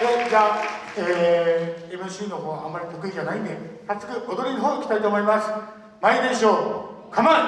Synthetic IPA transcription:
ed͡ʑa | eː | ibɯɕiːnoɦoːβaamːaɾʲit̪okɯ̟id͡ʑanaĩnd̪ekat͡sɨ̥kɯ̟od̪oɾʲinʲiɦoːkʲi̥t̪ait̪o̞ːmo̞imasɨ̥ | maid̪ẽɕoː | kʰama

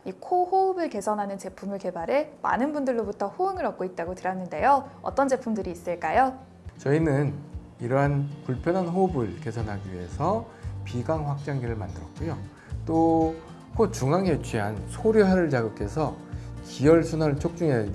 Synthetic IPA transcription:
ikʰohoubɯɭke̞sʰʌnɦanɯnt͡ɕe̞pʰumɯɭke̞baɾe̞ma̰nɯnbundɯɭːobutʰʌɸoɯŋɯɾʌp̚k͈oit̚t͈aɡotɯɾanːɯnde̞joʌt͈ʌnd͡ʑe̞pʰumdɯɾiːs͈ɯɭk͈ajo | t͡ɕʌinɯn | iɾʌɦanpuɭpʰjʌnanɦoubɯɭke̞sʰʌnɦaɡiɥiɦe̞̰sʰʌ | piɡaŋɸwak̚t͡ɕ͈aŋɡiɾɯɭmandɯɾʌ̰k̚k͈ujo | t͈o | kʰot̚t͡ɕuŋaŋet͡ɕʰɥiɦansʰoɾjoɦaɾɯɭt͡ɕaɡɯkʰe̞sʰʌkiʌɭsʰunat͡ɕʰok̚t͡ɕ͈uŋe

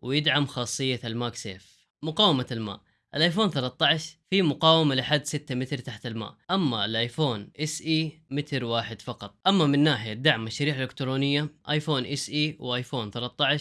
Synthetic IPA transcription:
wɪjɪd̪ʕamxɑːsˤːɨjːalmaːksḛːf | mʊqɑːwɪmalma̰ːʔ | ʔɪlʔaːjfoːnθɑlɑt̪ˤːɑʕɪʃfimʊqɑːwɪmalɪħad̪sɪt̪ːamɪt̪ɾt̪aħt̪alma̰ːʔʔamːalʔajfoːnʔɪsʔiːmɪt̪ɾwaːħɪd̪fɑqɑt̪ˤʔamːamɪnːaːħɪjad̪ːaʕmːaʃːaɾiːħalɪkt̪ɾoːnɪjːaʔajfoːnʔɪsʔiːwʔaːjfoːnθɑlɑt̪ˤːɑʕɪʃ

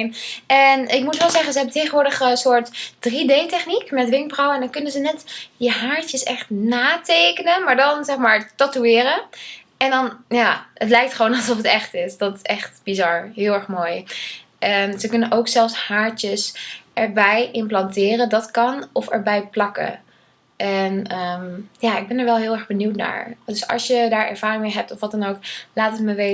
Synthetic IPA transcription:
nɛnɪk̚mutʋɛlˠzɛχənzəɦɛbəntejχəʋʊːɹdəχəsʊːɹtd̥ridejtɛχnikmɛtʋɪŋk̚brɔwɛndɑnkɵnənzənɛtjəɦaːɹtəsɛχtnaːtejkənəmaːɹdɑnzɛχmaːɹtatuɪːɾə | ɛndɑnjaːətlɛjk̚tχʋoːnɑlˠzɔfətɛχtɪsd̥ɑtɪ̥sɛχtb̥izɑɹɦɪːlˠɛɹχmoːjʔɛnzəkɵnənʔowksɛlˠfshaːɹt͡ʃəsʔɛɹbɛjɪmplɑntɪːrəndɑtkɑnɔfɛ̰ɹbɛjplɑkə̰ | ʔɛnəmjaːɪɡ̚bɛnəɹʋɛlˠɦɪːlˠɛɹχbənywtna̰ːɹdɵsɑ̰lˠsjədaːɹɛ̰ɹv̥aːrɪŋmejɦɛp̚tɔfʋɑtɑnowklaːtətməʋe

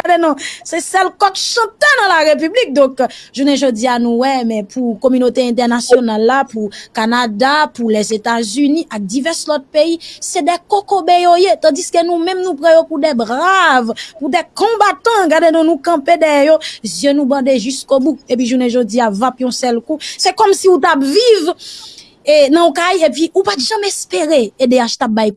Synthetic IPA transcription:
ɡadenɔ̃sɛsɛlkɔt̪sɑ̃t̪ɛnãlaʁep̬yblik̚d̪ɔ̃kʒuneʒod͡zianũwɛmɛ̃pʰukomynot̪eɛ̃t̪ɛʁnasjonalːapukanad̪apulɛzet̪azynĩʔak̚d̪ivɛslɔt̪̚peisɛd̪ɛkokobejojet̪ɑ̃diskənũmɛ̃mnũpʁɑ̃jopud̪ɛbʁavpudɛkɔ̃bat̪ɐ̃ɡaʁdenɔ̃nũkɐ̃pedɛɛjozjønũbɑ̃d̪eʒyskobuk̚ep̬ɥiʒuneʒod͡ziavãpjɔ̃sɛlkusɛkɔmsiut̪̬apviv | nɐ̃ukajepɥiʔupat̪ʒãmɛspeʁeedeaʃt̪ap̚bajk

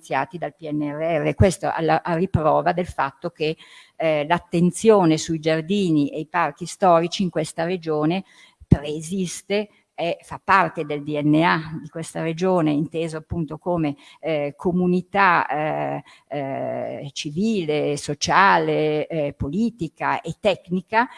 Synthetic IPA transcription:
sjaːt̪id̪alpiɛnːeɛrːeɛrːekwest̪o̰ʔa̰lːaʔaripɾɔːvad̪elfat̪ːok̟e | lat̪ːent̪sjoːnesuid͡ʒard̪iːniʔejpark̟ist̪ɔːɾit͡ʃiːŋkwest̪ared͡ʒoːne | pɾezist̪e | efapːart̪ed̪eld̪iɛnːead̪ikwest̪aɾed͡ʒoːneint̪eːzoapːunt̪okoːmekʰomunit̪a | t͡ʃiviːlesot͡ʃaːlepoliːt̪ikaʔet̪ːɛknika

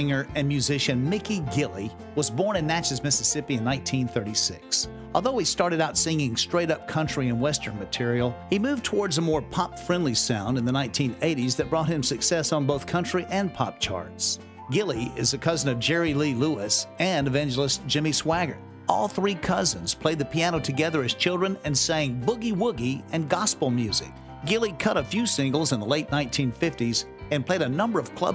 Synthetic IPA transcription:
ɪ̃ŋə˞ɨ̃nmjʉzɪʃɨ̃nmɪkiɡɪlˠi | wʌzbɔɹnɨ̃nːæt͡ʃɨzmɪsɨsɪpiɨ̃nːãɪ̃ntʰĩnθɜ˞ɾisɪ̰ks | ʔɔlˠðoʊistɑɹɾɨɾaʊtsɪ̃ŋɪ̃ŋstɹ̥eɪɾʌp̚kʰʌ̃nt͡ʃɹ̥iɨ̃nwɛstə̃˞nmɨtʰɪɹil̩ˠhimʉvtʰəwɔɹdzəmɔɹpʰɑpfɹɛ̃ndˡlisãʊ̃ndɨ̃nðənãɪ̃ntʰĩneɪɾizðɨt̚b̥ɹɔt̚hɨ̃msɨksɛsn̩boʊθkʰʌ̃nt͡ʃɹ̥iʔɨ̃npʰɑ̰p̚t͡ʃʰɑ̰ɹts | ɡ̥ɪlˠiɪ̰zðɨkʰʌzɨ̃nʌvd͡ʒɛɹililuɪsɨ̃nɨvæ̃nd͡ʒl̩ˠəsd̥ʒ̥ɪ̃miswæɡə̰˞ | ɔ̰lˠθɹikʰʌzɨ̃nz̥pʰl̥eɪd̪̚ðɨpʰiæñoʊtʰɨɡɛðə˞ɨz̥t͡ʃʰɪlˠdɹɨ̃nɨ̃nseɪɪ̃ŋbʊɡiwʊɡiɨ̃nɡɑspl̩ˠmjʉzɪ̰k̚ | ɡ̥ɪlˠikʰʌɾəfjʉsɪ̃ŋɡl̩ˠzə̃nðəleɪtⁿnãɪ̃ntʰĩnfɪftiz | ɨ̃npʰl̥eɪɾɨnʌ̃mbə˞ʌv̥kʰl̥ʌ̰b

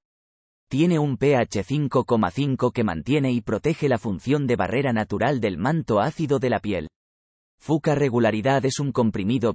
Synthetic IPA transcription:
t̪je̞ne̞umpe̞at͡ʃe̞θiŋko̞ko̞ma̰θiŋko̞ke̞mã̰nt̪je̞ne̞ipɾo̞t̪e̞xe̞lafun̟θjo̞nd̪e̞βa̰re̞ɾanat̪uɾald̪e̞lmãnt̪o̞aθiðo̞ðe̞lapje̞̰l | fukare̞ɣ̞ulaɾiðaðe̞suŋko̞mpɾimiðo̞

